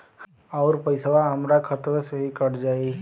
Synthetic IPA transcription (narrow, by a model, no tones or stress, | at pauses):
ɔːɾpəɪsʋaɦɐmɾakʰɐt̪ɾəsəɦikɐɾd͡ʒaːe